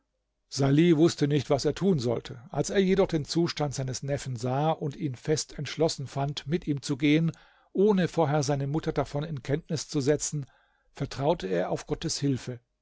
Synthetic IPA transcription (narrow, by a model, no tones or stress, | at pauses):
z̥aliːvʊstənɪçtv̥aseːɐtʰuːnzɔ̰ltʰəʔalseːɐjedɔχd̥eːnt͡suːʃtantz̥aɪnəsnɛfn̩zaːʔʊntiːnfɛstʰɛntʃlɔsn̩fantmɪtʔiːmt͡suɡeːən | ʔoːnəfoːɐɦeːɐzaɪnəmʊtɐdafɔnɪnkʰɛntnɪst͡suzɛt͡sn̩ | fɛɐtʁ̥aʊtʰəeːɐaʊfɡ̥ɔtəshɪlfə